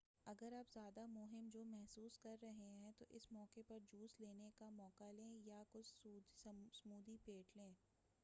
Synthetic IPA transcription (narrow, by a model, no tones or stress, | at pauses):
ɐɡəɾabzjaːd̪amʊɦɪmd͡ʒoːmɛɦsuːskɐɾːɐɦeɦɛ̃t̪oʔɪsmɔːkepɐɾd͡ʒuːsleːnekamɔːkalẽːjakʊt͡ʃːssmuːd̪ipeːʈlẽː